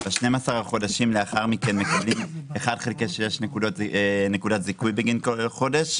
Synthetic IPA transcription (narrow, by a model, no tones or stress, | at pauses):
beaʃnejmasaʁaχo̞daʃimleaχaʁmikenmekablimeχadχelkeʃejeʃnekudotne̞kudatzikujbeɡinkolχo̞de̞ʃ